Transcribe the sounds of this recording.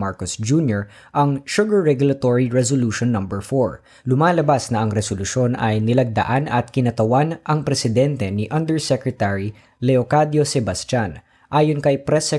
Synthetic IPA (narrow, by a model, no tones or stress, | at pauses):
maɹkosd͡ʒuːnjoɹ | ʔɐŋʃʊɡɐɹːɛɡulɐt̪oɹiɹɛsoluʃonːɐmbɛɹfoɹ | lʊmaːlɐbasnɐʔɐŋɾɛsolʊʃo̞nɐjnɪlɐɡ̚d̪ɐ̰ʔanɐt̪̚kɪnɐt̪ɐwanʔɐŋpɾɛsɪd̪ɛnt̪ɛniʔɐnd̪ɛɹsɛkɹɛt̪aɹi | lɛokad̪josɛbɐst̪an | ʔaːjonkɐjpɾɛsɛ